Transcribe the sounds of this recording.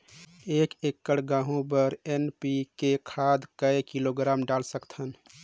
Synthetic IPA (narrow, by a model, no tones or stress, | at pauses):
ekekːəɽɡãɦũbəɾenpikekʰad̪kəekiloɡɾamɖalsəkt̪ʰən